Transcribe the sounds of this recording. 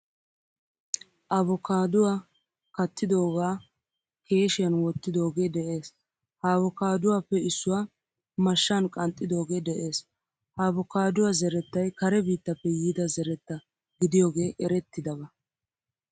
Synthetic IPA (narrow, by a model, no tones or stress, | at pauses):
ʔɐβɔkaːd̪ʊwaː | kɐt̪ːɪd̪o̞ːɡaː | ke̞ːʃɪjɐnwɔt̪ːɪd̪o̞ːɡe̞ːd̪ɛʔe̞ːs | haːβɔkaːd̪ʊwaːpːɛɪsːʊwaː | mɐʃːankʼɐnt̪ʼːɪd̪o̞ːɡe̞ːd̪ɛʔe̞ːs | haːbɔkaːd̪ʊwazɛɾɛt̪ːɐjkɐɾɛbiːt̪ːɐpːɛjiːd̪ɐzɛɾɛt̪ːɐ | ɡɪd̪ɪjoːɡe̞ːʔɛɾɛt̪ːɪd̪ɐbɐ